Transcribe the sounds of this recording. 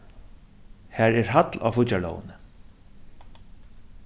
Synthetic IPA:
hæːɹɛɹɦat̪la̰fʊt͡ɕalɔ̰ːwə̰nə

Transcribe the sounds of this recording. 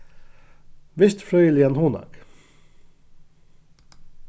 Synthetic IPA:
ʋɪst̪fɾœʏəlɪɛnhuːnɑ̰k

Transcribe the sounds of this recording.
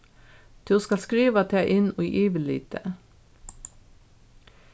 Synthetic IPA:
d̪̥ʰʉoːskɑlskɾiːʋɑt̪ʰeæʔɪnuʔiːʋɪlḭːt̪ʰə

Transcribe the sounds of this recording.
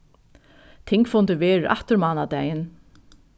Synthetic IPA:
t̪ʰɪŋkfʊnt̪ɪʋeːɾɪɾʔa̰ht̪ɪɾmɑːnad̪ɛjɪn

